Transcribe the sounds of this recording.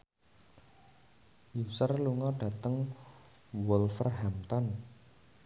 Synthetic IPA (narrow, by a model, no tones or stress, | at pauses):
jusərluŋɔɖ̥ä̤t̪əŋ | wɔlfərɦamt̪ɔn